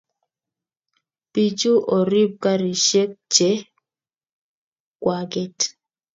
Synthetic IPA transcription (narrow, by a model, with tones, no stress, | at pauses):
pi˨d͡ʒo˦ʔɔ˨ɾi˦b̚ka˦ɾi˨ʃe˦k̚t͡ʃe˨˦ | kwa˨ɡɛ˦t